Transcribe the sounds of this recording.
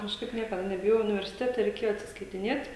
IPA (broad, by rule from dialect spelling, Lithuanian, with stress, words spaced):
kɐʃˈkɐɪp ˈnʲiɛkɐdɐ nʲɛbʲɪˈjoːjɛʊ ʊnʲɪʋʲɛrʲsʲɪˈtʲæːtʲɛ rʲɛɪˈkʲeːjoː ɐtʲsʲɪskɐɪtʲɪˈnʲeːtʲ